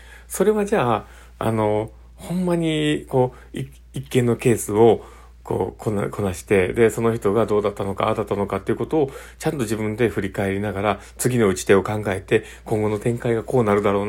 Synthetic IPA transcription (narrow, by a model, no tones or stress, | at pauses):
so̞ɾe̞βad͡ʑaː | a̰no̞ | hõ̞mːaɲ̟iko̞ː | i | ikːẽ̞nːo̞ke̞ːsɨo̞ | ko̞̰ːkʰonkʰo̞naɕi̥t̪e̞d̪e̞so̞no̞çi̥t̪o̞ɡad̪o̞ːd̪at̪ːano̞ka̰a̰d̪at̪ːano̞kat̪ːe̞iɯ̟ko̞t̪o̞ː | t͡ɕãnt̪o̞ʑibɯ̟̃nd̪e̞ɸɯ̟ɾʲikae̞ɾʲinaɡaɾa | t͡sɨɡʲino̞ɯ̟t͡ɕi̥t̪e̞o̞kãŋɡae̞t̪e̞ | kõŋɡo̞no̞t̪ẽ̞ŋkaiɡako̞ːnaɾɯ̟d̪aɾo̞ːn